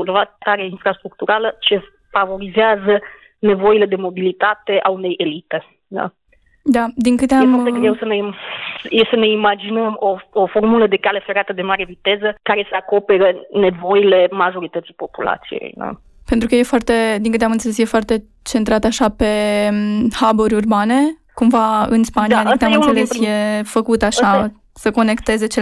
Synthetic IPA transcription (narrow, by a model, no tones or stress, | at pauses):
vat̪aɾeinfɾast̪ɾuk̚t̪uɾalət͡ʃe̞ | favo̞ɾizeazə | ne̞vo̞ile̞d̪e̞mo̞bilit̪at̪e̞ʔaune̞jʔelit̪e̞ | d̪a̰ | d̪ad̪iŋkɨt̪eaemfot̪eɡɾewsənemjesəne̞imad͡ʒinəmo̞ofo̞rmuləd̪e̞kale̞feɾat̪əd̪e̞maɾe̞vit̪e̞zəkaɾe̞seako̞pe̞ɾəne̞vo̞ile̞maʒo̞ɾit̪ət̪si̥po̞pula̰t̪sijḛjna̰ | pent̪ɾukəje̞foart̪e̞d̪iŋkɨt̪eamɨnselesje̞foart̪e̞ | t͡ʃe̞nt̪ɾat̪aʃape̞ | haboɾʲurbane̞ | kumvaɨnspaniaadiŋkɨt̪eamɨnnselesje̞fəkut̪aʃa | səko̞ne̞kt̪e̞ze̞t͡ʃe